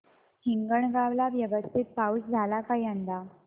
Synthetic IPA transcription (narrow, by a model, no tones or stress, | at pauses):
hiŋɡəɳɡaʋlaʋjəʋəst̪ʰit̪̚paut͡sd͡zʱalakaiand̪a